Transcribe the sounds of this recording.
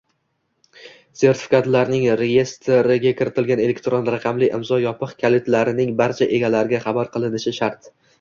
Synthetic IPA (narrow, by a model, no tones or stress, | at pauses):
se̞ɾt̪ʰɪ̥fɪ̥kʰat̪laɾnɪŋɾe̞je̞st̪ʰɾɪɡʲakʲɪɾɪt̪ʰɪlɡʲane̞le̞kʲt̪ɾonɾaqʰɑmlɪʔɪ̰mzɒjɒpʰɨqkʲʰalet̪laɾɪnɪŋbaɾt͡ʃʰaʔe̞ɡʲalaɾɪɡʲaχɑbaɾqʰɨlˠɪnɪʃɪʃaɾt̪